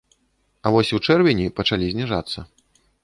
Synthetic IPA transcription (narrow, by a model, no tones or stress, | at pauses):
ɐvɔsʲuwt͡ʂɛrvʲinʲipɐt͡ʂalʲizʲnʲiʐat̪sːɐ